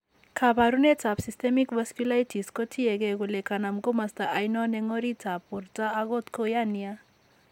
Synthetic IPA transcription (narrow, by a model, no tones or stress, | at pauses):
kʰabaɾunet͡sʰapsist̪ʰemikbaskulajtʰiskɔtʰiɛɡɛɡulekʰanamɡomast̪aʔajnɔnɛŋɔɾit͡sʰapːuɾt͡saːɡɔt̪kʰojania